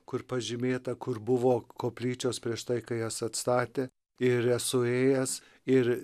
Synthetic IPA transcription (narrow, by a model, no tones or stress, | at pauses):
kʊrpɐʒʲɪmʲeːt̪ɐkʊrbʊʋoːkoːpʲlʲiːt͡ʃʲoːspʲɾʲiɛʃt̪ɐɪkɐɪjɛsɐt̪st̪ɑːt̪ʲeː | ɪɾɛsʊeːjɛs | ɪɾ